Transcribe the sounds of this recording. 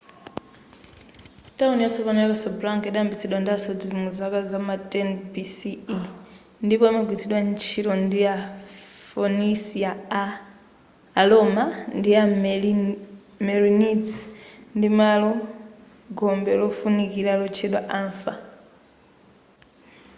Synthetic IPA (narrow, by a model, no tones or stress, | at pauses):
taunjat͡sʰɔpanɛjakasablaŋkɛɗaambit͡sʰɛɗwandiasɔdizmuzakazamatɛnbisi | ndipɔimaɡitʰiɗwant͡ʃʰiɾɔndia | fɔnisia | lɔmandia | mɛɾinitndimalɔ | ɡɔmbɛlɔfunikilalɔt͡ʃʰɛɗwaʔaɱfa